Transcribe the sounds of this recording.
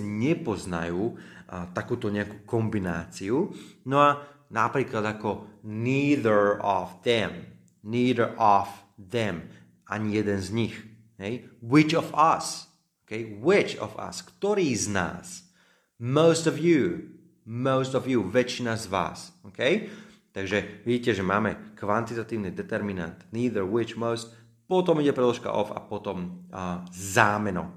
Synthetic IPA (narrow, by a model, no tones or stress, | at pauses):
ɲɛpɔzna̰juːt̪akuːt̪ɔɲɛakuːkɔmbina̰ːt͡siunɔanapɾiːklad̪akɔniːðə˞ɔvðɛm | niːd̪əɹʔɔvðɛm | ʔa̰ɲijɛd̪ɛnzɲix | ɦɛjwɪt͡ʃɔvas | okɛjwɪt͡ʃɔ̰fa̰skt̪ɔɾiːzna̰ːs | moʊst̪ɔvjuː | moʊst̪ɔvjuːʋɛt͡ʃinazʋa̰ːsɔkɛjt̪aɡʒɛʋiɟiːcɛʒɛmaːmɛkʋant̪it̪at̪iːʊnid̪ɛt̪ɛɾmina̰nt̪niːðəɹwɪt͡ʃmɔʊst̪ | pɔt̪ɔmiɟɛpɾɛd̪lɔʃka̰ʔɔ̰fa̰pɔt̪ɔm | zaːmɛnɔ̰